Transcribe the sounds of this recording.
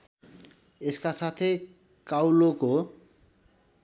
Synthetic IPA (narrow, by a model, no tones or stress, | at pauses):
eskasat̪ʰe | kawloko